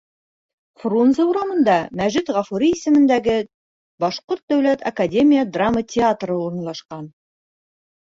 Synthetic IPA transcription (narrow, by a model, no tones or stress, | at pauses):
frunzəuɾɑmɤ̆nd̪ɑmæʒɘt̪ʁɑfuɾʲiisɘ̆mɘ̆nd̪æɡɘ | bɑʃqoɾt̪̚d̪æwlæt̪ɐ̰kadʲe̞mʲijəd̪ramətʲɪat̪rɤuɾɤ̆nlˠɑʃqɑn